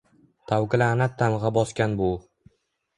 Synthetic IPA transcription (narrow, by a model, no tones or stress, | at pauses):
t̪ʰawkɪlaːnat̪ʰːalʁɑbɒskʲanbʊ